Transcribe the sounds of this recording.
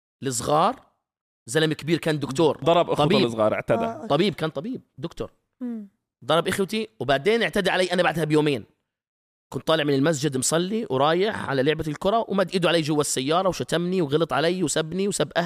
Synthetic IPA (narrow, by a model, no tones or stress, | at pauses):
lɪs̬ˤɣɑːɾˤ | zalamkɪbiːɾkaːnd̪ʊkt̪oːɾˤd̪ˤɑɾˤɑbʔɪˤɑbiːsˤɣɑ̰ːɾˤʔɪ̰ʕt̪ad̪at̪ˤɑbiːb̚kaːnt̪ˤɑbiːb̚d̪ʊkt̪ʊ̰ɾˤ | d̪ˤɑɾˤɑbʔɪxwt̪iwbaʕd̪eːnʔɪʕt̪ad̪aʕalajːʔanabaʕd̪habjoːmeːn | kʊnt̪ˤɑːlɪʕmɪnɪlmas̬d͡ʒɪd̪msˤɑlːiwɾˤɑːjɪħʕa̰lalʊʕbalkʊɾˤɑwmad̪ʔɪd̪uʕaleːd͡ʒʊwːasːajːɑːɾˤɑwʃat̪amniwɣɑlɨt̪ˤʕalajːwsabniwsabʔa